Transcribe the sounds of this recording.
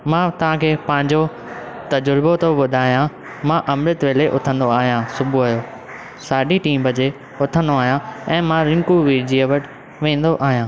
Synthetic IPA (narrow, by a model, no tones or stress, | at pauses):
mãːt̪ɐʋ̤ãkʰeːpɐ̃ɦɪ̃ɲd͡ʑo | t̪ɐd͡ʑʊɾbot̪ʰobʊd̪ʱaːɦijã | mãʔɐmɾət̪ʋeːleʔʊt̪ʰə̃nd̪oaːɦijãsʊbʱuaːɦjoː | saːɖiʈiːmbɐd͡ʑe | ʊt̪ʰə̃nd̪oaːɦijãɛ̃ːmãɾɪ̃ŋkuʋiːɾd͡ʑiːɐʋɐʈ | ʋẽːn̆d̪oʔaːɦijãː